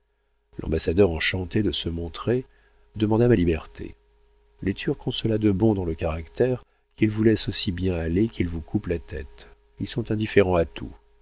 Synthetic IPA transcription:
lʔɑ̰̃basad̪œʁɑ̃ʃɑ̃t̪ed̪əsəmɔ̃t̪χe | d̪əmɑ̃d̪amalibɛʁt̪ʰḛ | let̪ʰyʁkːɔ̃sɔlad̪əbɔ̃d̪ɑ̃ləkaʁakt̪ɛʁ | kilvulɛsosibjɛ̃alekilvukʰuplat̪ɛt̪ | ilsɔ̃t̪ɛ̃d̪ifeʁɑ̃at̪ʰṵ

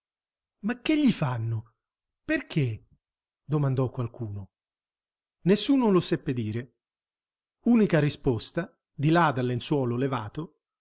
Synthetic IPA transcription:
makːeʎːifanːʊ | perk̟ʰe | d̪omand̪ɔkːwalkuːno | nesːuːnolosɛpːed̪iːɾe | uːnikarispɔst̪a | d̪ilad̪alːenswɔːlolevaːt̪o

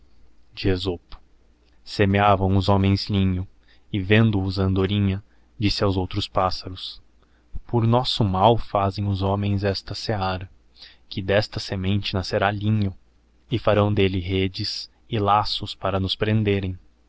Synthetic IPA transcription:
d͡ʒiezopʊ̥ | semeavɐ̃w̃ʊzomẽj̃z̥lĩɲʊ | ɪvẽnd̪ʊːzɐ̃nd̪oɾĩɲɐ | d͡ʒisɪawzowt̪ɾʊspasɐɾʊs | poɾnɔsʊmawfazẽj̃ʊzõmẽj̃zɛst̪ɐseaɾɐ | kɪd̪ɛst̪ɐsemẽnt͡ʃɪnaseɾalĩɲʊ | ɪfaɾɐ̃w̃d̪elɪɦed͡ʒɪs | ɪlasʊspaɾɐnʊspɾẽnd̪eɾẽj̃

